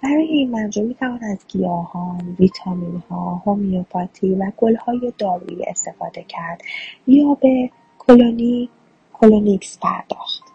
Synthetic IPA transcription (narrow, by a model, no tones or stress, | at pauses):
b̥æɾɒːjeiːnmænd͡ʒomiːt̪ʰævɒːnæzɡijɒːhɒːnvit̪ʰɒminhɒːhomiopʰɒt̪ʰiːvæɡo̞lhɒːje̞d̪ɒːɾṵḭḛst̪e̞fɒːd̪e̞cʰæɾd̪̥jɒːbe̞ | kʰoloni | kʰolonikspʰæ̰ɾd̪̥ɒ̰ːxt̪